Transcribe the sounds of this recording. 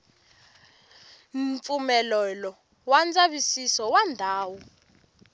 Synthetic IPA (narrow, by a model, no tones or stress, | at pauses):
ɱfumɛlɛlɔ | wand͡zaβisisɔwandʱaːwɔ